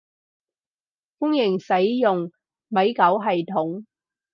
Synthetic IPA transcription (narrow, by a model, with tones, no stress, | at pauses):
fʊ˥ŋjɪ˨˩ŋsɐ˨˥jjʊ˨ŋ | mɐ˨˥jkɐ˨˥wɦɐ˨jt̪ʰʊ˨˥ŋ